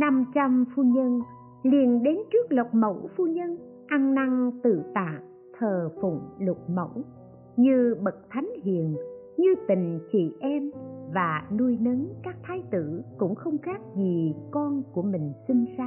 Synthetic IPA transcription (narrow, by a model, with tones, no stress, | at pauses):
na˧mt͡ɕa˧mfu˧ɲə˧n | li˧ənɗe˨˦nt͡ɕɨ˦˥ək̚lə˨˩k͡p̚mə̰˧˩wfu˧ɲə˧n | ʔa˧nna˧ŋt̪ɨ̰˧˨t̪a̰ː˧˨ | t̪ʰəː˨˩fʊ̰˧˩ŋ͡mlʊ˨˩k͡p̚mə̰˧˩w | ɲɨ˧ɓə˨˩k̚t̪ʰa˨˦jŋ̟hḭ˨ən | ɲɨ˧t̪ï˨˩ŋ̟t͡ɕḭ˧˨ʔɛ˧mvaː˨˩nu˧jnəː˨˦nkaː˦˥k̚t̪ʰaː˧jt̪ɨ˧˩kʊ̰˧˥ŋ͡mxə˧wŋ͡mxaː˦˥k̚zi˨˩kɔ˧nku˧˩əmï˨˩ŋ̟si˧nsaː˧˥